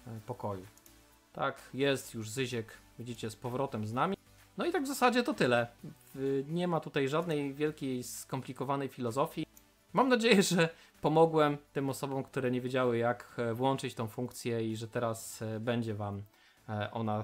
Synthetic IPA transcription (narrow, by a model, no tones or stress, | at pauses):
pɔkɔju | t̪a̰kjɛst̪juʐzɘʑɛkvʲid͡ʑit͡ɕɛspɔvɾɔt̪ɛmznamʲi | nɔit̪aɡvzasad͡ʑɛt̪ɔt̪ɘlɛ | ɲɛmat̪ut̪ajʐad̪nɛjvʲjɛlkʲejskɔmplʲikɔvanɛjfʲilɔzɔfʲji | mamnad͡ʑejɛʐɛ | pɔmɔɡwɛmt̪ɘmɔsɔbɔ̃mkt̪uɾɛɲeɛvʲjed͡ʑawɘjakvwɔnt͡ʂɘt͡ɕt̪ɔ̃w̃fuŋk̚t̪sʲjɛiʐɛt̪ɛɾasbɛɲd͡ʑɛvam | ʔɔ̰na